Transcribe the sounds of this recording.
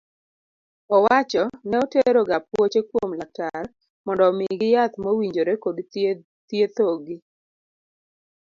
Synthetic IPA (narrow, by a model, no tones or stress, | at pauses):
ɔwat͡ʃɔnɛɔteɾoɡap̚wot͡ʃekwomlak̚tar | mɔndɔmɪɡɪjat̪mowiɲd͡ʒoɾekod | t̪jet̪oɡɪ